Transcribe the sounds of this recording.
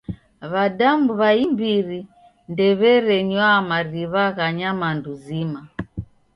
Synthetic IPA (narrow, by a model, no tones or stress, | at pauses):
βadamuβaimbiɾi | ndɛβɛɾɛɲwamaɾiβaɣaɲamanduzima